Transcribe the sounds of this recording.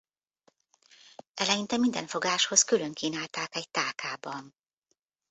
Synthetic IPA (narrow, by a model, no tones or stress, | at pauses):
ɛlɛjint̪ɛmind̪ɛɱfo̞ɡaːʃho̞skylø̞ŋkiːnaːlt̪aːkɛct̪aːkʰaːbɒn